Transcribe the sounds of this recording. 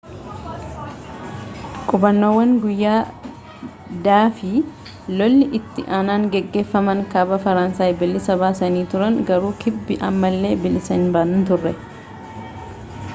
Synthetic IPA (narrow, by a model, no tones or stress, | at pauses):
kʼʊbɐnːo̞ːwːɐŋɡʊjːaː | d̪aːfɪ | lɔlːɪʔɪt̪ːɪʔaːnaːŋɡɛɡːe̞ːfːɐmɐŋkɐbɐfɐɾɐnsaːjbɪlːɪsɐbaːsɐniːt̪ʊɾɐŋɡɐɾuːkʰɪbːɪʔɐmːɐlːe̞ːbɪlɪsɛnbaːnʊnt̪ʊrːɛ